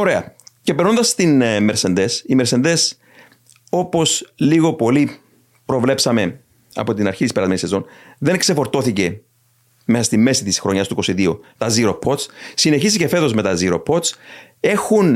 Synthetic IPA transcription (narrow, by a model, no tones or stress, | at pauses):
o̞ɾe̞ɐcepeɾnond̪ɐst̪inmeɾse̞nd̪e̞simeɾsend̪es | o̞po̞sliɣo̞po̞li | pɾo̞vle̞psɐme̞ | ɐ̰po̞t̪inɐɾçit̪ispeɾɐzmenisezo̞nðe̞ŋkse̞fo̞ɾt̪o̞θice̞ | me̞sɐst̪imːe̞sit̪isxɾo̞ɲɐst̪uiko̞siðiot̪ɐziɾo̞pʰo̞t̪t͡ssineçis̬icefe̞t̪o̞zme̞t̪ɐziɾo̞̰pʰo̞t̪t͡s | e̞xun